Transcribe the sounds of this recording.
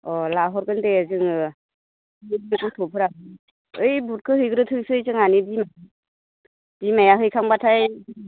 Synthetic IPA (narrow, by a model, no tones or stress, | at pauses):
ɔlaɦɔɾɡɯndeazɯŋɯ | ɯdinkɯwtʰɔpʰɯɾa | ɯjbut̚kʰɯhɯjɡɯɾɯtʰɯŋsɯjzɯŋanidima | b̥imajaɦɯjkʰaŋbatʰaj